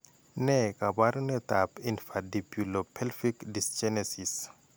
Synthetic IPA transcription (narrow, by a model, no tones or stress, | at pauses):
nɛkabaɾnɛt̪apinfadipjulopʰɛlfikdist͡ʃɛnesis